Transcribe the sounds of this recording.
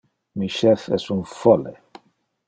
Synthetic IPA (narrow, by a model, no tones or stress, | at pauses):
miʃɛfɛ̰sunfɔlḛ